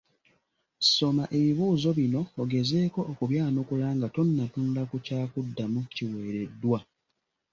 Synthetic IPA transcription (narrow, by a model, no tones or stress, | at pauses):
so̞maʔe̞βiβuːzo̞βino̞ːɡe̞ze̞ːko̞ʔːkuβjaːnokulaːŋɡato̞nːatuːndakucaːkudːamuciwe̞ːɾe̞dːwa